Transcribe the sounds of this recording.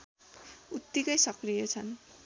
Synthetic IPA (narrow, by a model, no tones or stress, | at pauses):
ut̪ːikʌjsʌkrijʌt͡sʰʌn